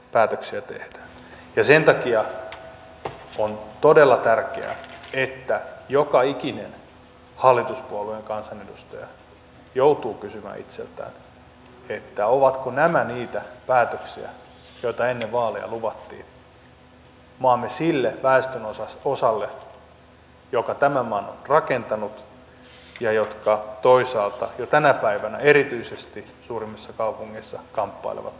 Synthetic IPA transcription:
pæːt̪øksiæt̪ḛhd̥æ̥ːn | jɑsent̪ɑkiɑ | ont̪odelːɑt̪ærkḛæ̰et̪ːæjokɑikinen | hɑlːit̪uspuolueŋkɑnsɑnedust̪ɑjɑ̰ | jout̪uːkysymæ̰ːḭt̪sḛlt̪æ̰ːn | et̪ːæoʋɑt̪konæmæniːt̪æpæːt̪øksḭæ̰ | joit̪ɑenːeʋʋɑːlḛjɑ̰luʋɑt̪ːḭːn | moɑmːesilːeʋæest̪ønosɑosɑlːe | jokɑt̪æmæmɑːno̰nrɑkent̪ɑnut̪ | jɑjot̪kɑt̪oisɑːlt̪ɑjot̪ænæpæiʋænæeɾit̪yisest̪i | suːrimːisːɑkɑupuŋːisːɑkɑmpːɑ̰ilḛʋɑ̰t̪

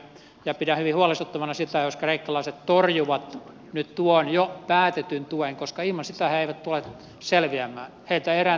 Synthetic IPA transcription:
jɑpidæhyʋihuɑlest̪ut̪ːɑmɑnɑsit̪æjoskreikːɑlɑˑiset̪t̪orjuʋɑt̪ | nyt̪t̪uonjopæːt̪et̪ynt̪ueŋkoskɑihmɑnsit̪æheeiʋæt̪t̪ulet̪ | selʋiæmːˑæ̰ː | heilt̪æeræ

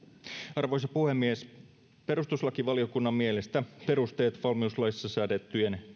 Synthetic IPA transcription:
ɑrʋo̞js̬ɑpuhemːies | pe̞ɾust̪uslɑkiʋɑliokunːɑmːielest̪æpe̞ɾust̪e̞ːt̪ʋɑlmiuslɑjsisːɑsæːt̪et̪ːyen

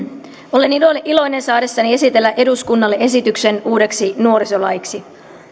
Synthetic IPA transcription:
o̞le̞niloʔilo̞jne̞nsɑːde̞sːɑnie̞sit̪e̞lːæʔe̞duskunːɑlːeʔe̞sit̪ykse̞nuːde̞ksinuo̞ɾiso̞lɑjiksi

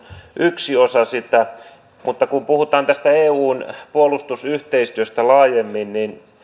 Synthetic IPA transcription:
ʔyksiosɑsit̪ːæ | mut̪ːɑkumpuhut̪ˑɑːnt̪æst̪æeːuːnpuolust̪usyht̪eist̪yøst̪ælɑːjemːinnin

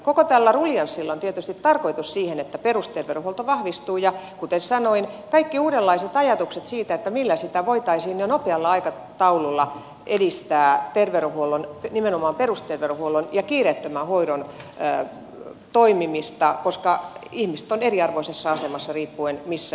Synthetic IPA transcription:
kokot̪ælːæruljɑnsːilːont̪iet̪yst̪it̪tɑrkoit̪ussiːhenet̪ːæperust̪erʋeruhuolt̪oʋɑhʋist̪uːjɑkut̪essɑnoinkɑikːiuːɾelːɑiset̪ɑjɑt̪ukset̪siːt̪æet̪ːæmilːæsit̪æʋoit̪ɑisiːnjonopeɑlːɑɑikɑ | t̪ɑululːɑ | ʔedist̪æːt̪erʋeruhuolonnimenomɑːmperust̪erʋeruhuolonjɑkiːret̪ːømæhoiɾon | t̪oimimist̪ɑkoskɑihmist̪oneriɑrʋoisesːɑɑsemɑsːɑriːpːuenmisːæ

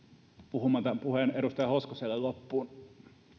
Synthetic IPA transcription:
puhumɑt̪ɑpuheneɾust̪ɑjɑhoskoselːellopːuːn

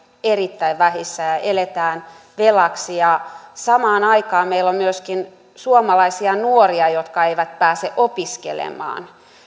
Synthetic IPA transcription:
erit̪ːæiʋʋæhisːæjɑʔelet̪æːn | ʋelɑksijɑsɑmɑːnɑikɑːmeilːommyøskin | suomɑlɑisiɑnuoriɑjot̪kɑeiʋæt̪pæːseʔopiskḛlḛmˑɑ̰ːn

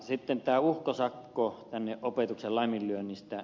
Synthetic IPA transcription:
sit̪ːent̪æːuhkosɑkːot̪ænːeʔʔopet̪uksellɑˑmːillyønːist̪æ

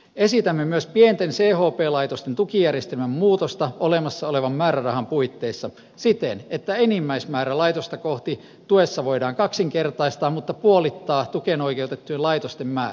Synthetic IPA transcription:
esit̪æmːemyøspient̪enseːhoːpeːlɑit̪ost̪ent̪ukijærjest̪elmæmmuːt̪ost̪ɑolemɑsːɑoleʋɑmmæːɾærɑhɑmpuit̪ːeisːɑ | sit̪enet̪ːæenimːæismæːɾælɑit̪ost̪ɑkoht̪i | t̪uesːɑʋoidɑːŋkɑksiŋkert̪ɑist̪ɑːmut̪ːɑpuolit̪ːɑːt̪ukenoikeut̪et̪ːujelɑit̪ost̪emmæː

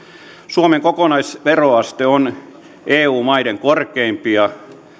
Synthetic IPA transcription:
suomeŋkokonɑisʋeroɑst̪eon | eːuːmɑideŋkorkeimpiɑ

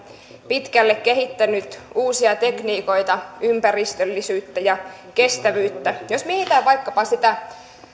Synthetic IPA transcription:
pit̪kælːekkehit̪ːænyt̪uːsiɑt̪ekniːko̞it̪ɑympærist̪ølːisyːt̪ːæjɑ | kest̪æʋyːt̪ːæjosmieit̪æʋɑikːɑpɑsit̪æ

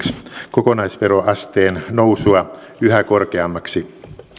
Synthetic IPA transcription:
skokonɑisʋeɾoʔɑst̪eːnnowsuɑ | yhækorkeɑmːɑksi

